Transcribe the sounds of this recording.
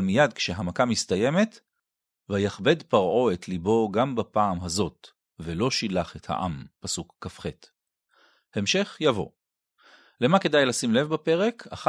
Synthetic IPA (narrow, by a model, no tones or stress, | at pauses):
lmijad̪kʃeɦamakamist̪aje̞me̞t | vajaχbe̞dpaʁʔo̞et̪libo̞ɡambapaːmɦazo̞t | velo̞ʃilaχetha̰ʔa̰mpasukːafχet̪ | hemʃe̞χjavo̞̰ | lemake̞dajlasimle̞vbape̞ʁe̞kʰaχ